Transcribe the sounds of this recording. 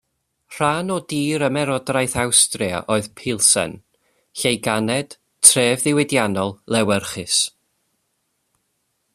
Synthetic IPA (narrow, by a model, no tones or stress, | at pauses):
r̥anɔdiːɾəmɛɾɔdrajθawstria̰ʔoːɨðpʰɪlˠsɛ̰n | ɬejɡanɛd̥ | tʰreːvðɪwɪdjanɔlˠlˠɛwɛrχɪs